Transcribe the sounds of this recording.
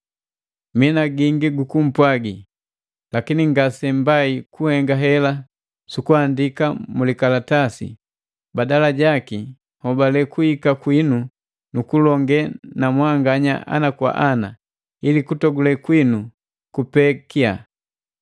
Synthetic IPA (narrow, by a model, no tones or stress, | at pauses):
minaɡiŋɡiɡukum̩pwaɡi | lakiniŋɡasɛmbaikuhɛŋɡaɦɛla | sukuhandikamulikalatasḭ | badalaɟaki | hɔbalɛkuhikakwinu | nukulɔŋɡɛnamwaŋɡaɲa̰ʔa̰nakwa̰ʔana̰ | ilikutɔɡulɛkwinu | kupɛkia